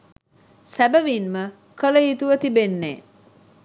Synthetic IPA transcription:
sæbəʋinmə | kələjit̪uʋət̪ibenːeː

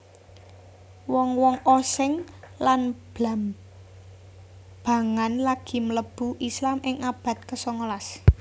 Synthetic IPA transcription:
wɔŋwɔŋʔosɪŋlanb̥am | b̥a̤ŋanlaɡ̥i̤mələb̥ṳʔislamʔɪŋab̥a̤t̪̚kəsɔŋolas

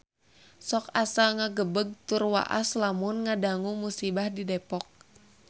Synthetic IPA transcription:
sɔkasaŋaɡəbəɡ̚t̪urwa̰ʔa̰slamʊnŋadaŋumusibahdidɛpɔk̚

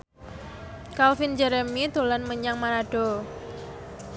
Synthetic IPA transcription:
kalfind͡ʒɛɾəmit̪olanməɲaŋmaɾaɖ̥o

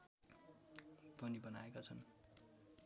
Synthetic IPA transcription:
pʌnibʌnaekat͡sʰʌn

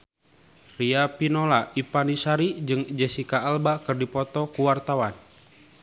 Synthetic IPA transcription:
riapinolaipanisaɾid͡ʒɨŋd͡ʒɛsikaːlbakɨrdipɔt̪ɔkuwart̪awan

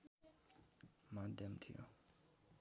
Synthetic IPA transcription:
mand̪emt̪ʰejo̰ʔ

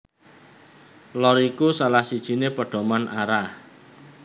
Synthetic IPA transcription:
lɔɾikusalahsid̥ʒ̥i̤nepəɖ̥ɔ̤manʔa̰ɾah

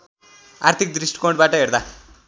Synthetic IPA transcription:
a̰rt̪ʰikd̪risʈkoɳɖbaʈʌɦeɾd̪a

